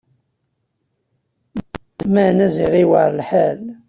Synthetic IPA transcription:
mænæziʁiwəʕɾlħæl

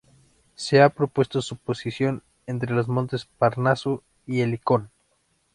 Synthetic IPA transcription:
seapɾo̞pwe̞st̪o̞supo̞sisjo̞n | e̞nt̪ɾe̞lo̞zmont̪e̞spaɾnasu | ieliko̞n

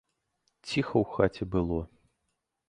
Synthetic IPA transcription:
t͡sʲixɐwxat͡sʲɛbɨlˠɔ

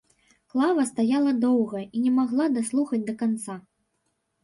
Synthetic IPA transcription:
klˠavɐst̪ajalˠɐd̪ɔwɣɐinʲɛmaɣlˠad̪aslˠuxɐd͡zʲd̪ɐkant̪sa

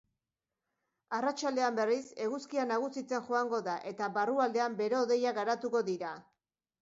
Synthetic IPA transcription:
arat͡ʃald̪e̞ambe̞rise̞ɣuskianaɣ̞usit͡se̞nʝoaŋɡo̞ðaʔe̞t̪aβaruald̪e̞ambe̞ɾeoðe̞jaɣaɾat̪uko̞ðiɾa

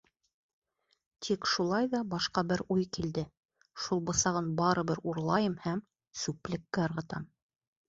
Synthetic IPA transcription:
t̪ʰikʃulˠɑjðɑbɑʃqɑbɘɾujkild̪ɘ | ʃulˠbɤ̆sɑʁɤnbɑɾɤ̆βɘɾuɾlˠɑjɤmhæm | sʉplɘ̆kːɘɤ̆ɾʁɤ̆t̪ɑm

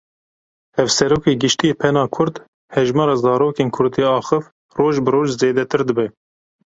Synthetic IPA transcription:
hɛvsɛɾoːkeːɡɨʃt̪ijeːpʰɛnɑːkʰʊɾd̪ | hɛʒmɑːɾɑːzɑːɾoːkeːnkʰʊɾd̪iːɑːxɨf | roːʒbɨɾoːʒzeːd̪ɛt̪ʰɨɾd̪ɨbɛ

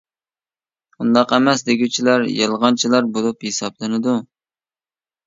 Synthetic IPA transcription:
und̪ɑqɛmɛsd̪eɡʲut͡ʃʰilæɾjɨlˠʁɑnt͡ʃʰilˠɑɾbolˠuphesɑblˠɨnɨd̪u

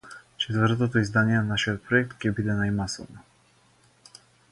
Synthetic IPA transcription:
t͡ʃɛt̪vəɾt̪ot̪oizd̪aniɛnanaʃijɔt̪̚pɾɔjɛk̚t̪kʲɛbid̪ɛnajmasɔ̰vnɔ

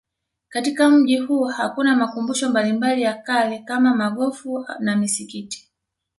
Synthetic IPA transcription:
katikam̩ʄihuːhakunamakumbuʃɔmbalimbalijakalɛkamamaɠɔfunamisikiti̥

